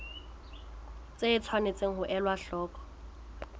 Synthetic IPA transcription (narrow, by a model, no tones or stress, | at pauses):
t͡sʼeɪt͡sʰwanet͡sʼeŋ̩ɦʊʔɛlwaɬɔːkʼɔ̥